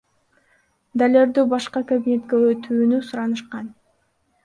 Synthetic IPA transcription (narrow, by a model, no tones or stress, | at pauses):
d̪alʲeɾd̪ybɑʃqɑkabinʲe̞t̪keøt̪ʰyːnysuɾɑnɯʃqɑn